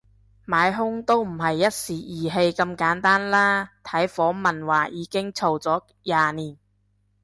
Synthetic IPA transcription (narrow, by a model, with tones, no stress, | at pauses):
maː˨˧jɦʊ˥ŋt̪o˥wm̩˨˩hɐ˨jːɐ˥t̚siː˨jiː˨˩ɦe˧jkɐ˧mkaː˨˥nt̪aː˥nlaː˥t̪ʰɐ˨˥jfɔː˨˥mɐ˨nwaː˨˩jiː˨˧kɪ˥ŋt͡sʰo˨˩wt͡sɔː˨˥ | jaː˨˧niː˨˩n